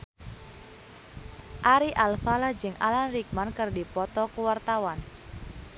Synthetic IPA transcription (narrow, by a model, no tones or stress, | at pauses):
ʔaɾiʔalfalad͡ʒɨŋa̰lanrik̚mankərdipɔt̪ɔkuwart̪awan